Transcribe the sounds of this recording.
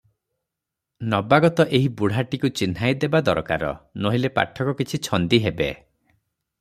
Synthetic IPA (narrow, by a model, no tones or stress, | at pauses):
nɔbaɡɔt̪ɔʔeɦibuɽ̤aʈikut͡ʃinɦajd̪ebad̪ɔɾka̰ɾɔ̰noɦilepa̰ʈʰːɔkɔkit͡ʃʰit͡ʃʰɔnd̪iɦebḛ